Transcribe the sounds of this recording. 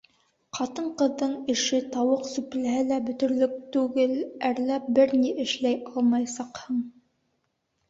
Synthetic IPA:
qɑt̪ɤɴqɤ̆ðːɤɴɘ̆ʃɘt̪ɑwɤqsʉplæɦælæbɵ̆t̪ɵ̆ɾlɵk̚t̪ʉɡɘlæɾlæp̚bɘɾniʔɘ̆ʃlæjʔɑlˠmɑjsɑqhɤɴ

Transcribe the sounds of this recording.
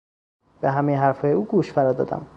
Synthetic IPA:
b̥eɦæmejeɦæɾfɒːjeuːɡuːʃfæɾɒːd̪ɒ̰ːd̪æ̰m

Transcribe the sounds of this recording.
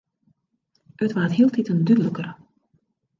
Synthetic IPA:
ətʋaːtɦiːlˠtitəndydləkərə

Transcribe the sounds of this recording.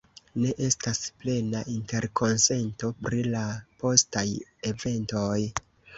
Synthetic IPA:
ne̞ʔe̞stasple̞naʔinte̞ɾkʰo̞nse̞nto̞pɾilapo̞staje̞ve̞nto̞j

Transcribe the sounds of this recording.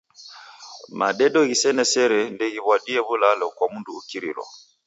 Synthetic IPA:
ma̰ɗɛɗɔɣisɛnɛsɛɾɛndɛɣiβwaɗiɛβulalɔkwamunduːkiɾḭlɔ̰

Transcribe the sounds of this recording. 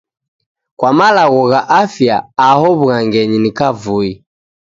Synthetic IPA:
kwamalaɣɔɣaʔafja̰ːhɔβuɣaŋɡɛɲinikavui

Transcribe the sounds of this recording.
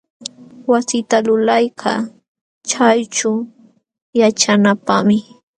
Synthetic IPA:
wasɪt̪alʊlajkʰɑ | t͡ʃajt͡ʃʊ | jat͡ʃanapamɪ

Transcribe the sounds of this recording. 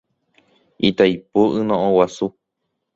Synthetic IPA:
it̪ajpoʔɨnõõwasu

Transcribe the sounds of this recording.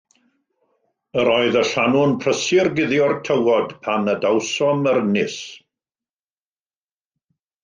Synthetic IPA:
əɾɔːɨðəɬanʊnpʰrəsɪrɡɪðjɔrtʰəwɔdpʰanədawsɔməɾənɪs

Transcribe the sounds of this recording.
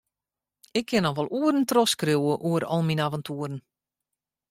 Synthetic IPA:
ɪkʰːɪnɔʋɔlˠuərən̩trɔskruwəʔuəɾɔ̰lˠminavəntʰuəɾən̩

